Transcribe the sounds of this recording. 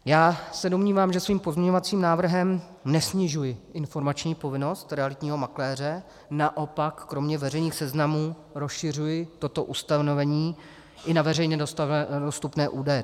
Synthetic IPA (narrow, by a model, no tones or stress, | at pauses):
jaːsɛdo̞mɲiːvaːmʒɛsviːmpozmɲɛɲovat͡siːmnaːvr̩ɦɛm | nɛsɲɪʒujɪʔɪnfo̞ɾmat͡ʃɲiːpo̞vɪno̞st̪ɾɛalɪt̪ɲiːɦo̞maklɛːr̝ɛ | naʔo̞pakːɾo̞mɲɛvɛrɛjniːxsɛznamuː | ɾo̞sʃɪr̝ujɪt̪o̞t̪o̞ʔust̪ano̞vɛɲiː | ʔɪnavɛrɛjɲɛdost̪upnɛːʔuːdajɛ